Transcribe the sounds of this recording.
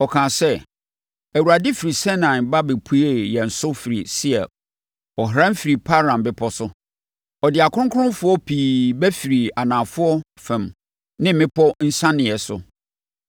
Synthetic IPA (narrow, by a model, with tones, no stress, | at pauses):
ɔ˨kʰãː˨sɛ˦ | æ˨wu˨ɾa˨dɪ˦fi˨ɾi˨sɛ̃˦nã˨nba˦bɪ˨pʰu˦e˦jɛ˨n̩˨sʊ˦fi˨ɾḭ˨si˦ɛ̰˨ | ɔ˨ɦɾã˦m˦fi˨ɾi˨pʰa˦ɾã˨mbɪ˦pʰɔ˦sʊ˦ | ɔ˨dɪ˨a˨kʰʊ̃˦ʊ̃˦ŋ˦kʰʊ̃˦n˦fʊ˨˦ɔ˦pʰiː˨bæ˦fi˨ɾi˨a˨nãː˨fʊ˦ɔ˦ | fɛ̃˨m | nɪ̃˦m̩˦mɪ̃˦pʰɔ˦n̩˦sã˦nɪ̃˨ɛ˨sʊ̰˨